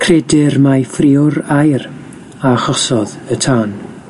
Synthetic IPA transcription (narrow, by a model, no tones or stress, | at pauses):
kʰrɛdɪrmajfrɪʊɾajr | aχɔsɔðətʰaːn